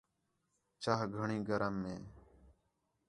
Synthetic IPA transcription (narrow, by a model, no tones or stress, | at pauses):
t͡ʃaːɦɡʱəɳĩːɡʱəɾəmːẽː